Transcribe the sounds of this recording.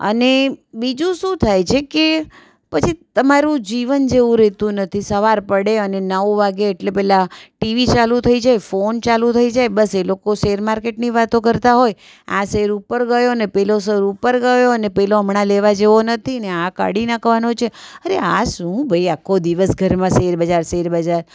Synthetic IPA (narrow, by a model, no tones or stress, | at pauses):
ə̰nebid͡ʒũʃũt̪ʰajt͡ʃʰeke | pət͡ʃʰit̪əmaɾũd͡ʒiʋənd͡ʒeʋũɾɛt̪ũnət̪ʰisəʋaɾpəɽeənenəʋʋaɡeːʈlepɛɦlaʈiʋit͡ʃalũt̪ʰəid͡ʒajfont͡ʃalũt̪ʰəid͡ʒajbəselokoʃeɾmaɾkeʈniʋat̪õkəɾt̪aɦoj | ã̰seɾupəɾɡəjoənepɛlos̬əɾupəɾɡəjoənepɛloəmɳãleʋad͡ʒeʋonət̪ʰiəneaka̰ɽinakʰʋanot͡ʃʰeəɾeaʃũbʱəiakʰːod̪iʋəsɡʱəɾmãseɾbəd͡ʒaɾseɾbəd͡ʒaɾ